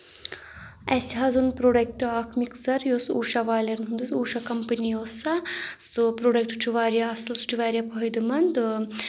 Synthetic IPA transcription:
ɛsiɦaːzunpɾoːɖek̚ʈaːkʰmiksɐɾjoːsuːʃaʋaːlɐɾnɦund̪usuːʃakɐmpɐnijoːsɐsɨpɾoːɖek̚ʈʈʰuʋaːɾijaɐsɐlsu̥ʈʰuʋaːɾjapɐɦɐjd̪ɨmɐnd̪

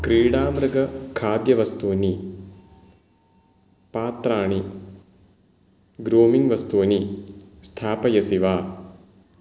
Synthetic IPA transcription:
kɾiːɽaːmɾɐɡɐkʰaːd̪jɐʋɐst̪uːni | paːt̪ɾaːɳi | ɡɾoːmiŋɡʋɐst̪uːnist̪ʰaːpɐjɐsiʋaː

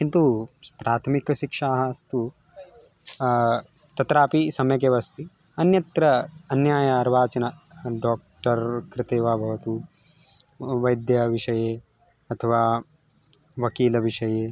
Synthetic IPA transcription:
kint̪upɾaːt̪ʰɐmikɐʃikʂaːɦɐːst̪u | t̪ɐt̪ɾaːpisɐmɐjɐk̬eːʋɐst̪i | ɐnjɐt̪ɾɐɐnjaːjɐːɾʋaːt͡ʃɐnɐ | ɖoːk̚ʈɐɾkɾɪt̪eːʋaːbʱɐʋɐt̪u | ʋɐjd̪jɐʋiʃɐjeː | ɐt̪ʰɐʋaː | ʋɐkiːlɐʋiʃɐjeː

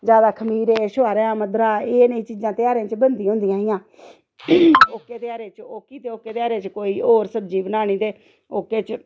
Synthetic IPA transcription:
d͡ʒjaːd̪aːkʰəmiːɾeːʃoaːɾãːməd̪ɾaːeːnəiːt͡ʃiːd͡ʒãːt̪ɪaːɾeãːt͡ʃbənd̪ĩːɦʊ̃nd̪ijãːɪjãː | oːkːeːt̪eaːɾeːt͡ʃoːkiːt̪eːoːkːeːt̪eaːɾeːt͡ʃkoːiːʔoːɾsəbd͡ʒiːbənaːɽ̃iːt̪eː | oːkeːt͡ʃ

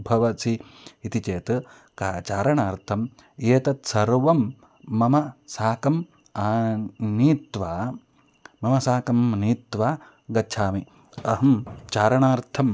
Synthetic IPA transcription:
bʱɐʋɐsiːt̪it͡ʃeːt̪ | kaːt͡ʃaːɾɐɳaːɾt̪ʰɐm | eːt̪ɐt̪sɐɾʋɐmː | ɐmɐsaːkɐm | aːniːt̪ʋaː | mɐmɐsaːkɐmniːt̪ʋaː | ɡɐːt͡ʃʰaːmi | ɐɦɐmt͡ʃaːɾɐɳaːɾt̪ʰɐm

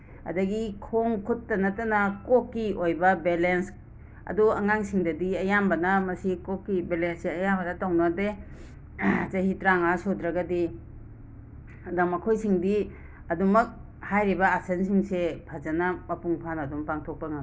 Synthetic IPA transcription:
ɐ̰dɐɡikʰoŋkʰutːɐnɐtɐnɐkokːiʔojbɐbelens | ɐ̰duɐŋaŋsiŋdɐdiɐjambɐnɐmɐsikokːibelenseɐjambɐnɐtaŋnade | zɐɦitɾaŋasodɾɐɡɐdi | ɐdɐŋmɐkʰojsiŋdi | ɐdumɐk̚ | hajɾibɐasensiŋsepʰazɐnɐmɐpuŋpʰanɐdumpaŋtʰok̚pɐŋaɡ

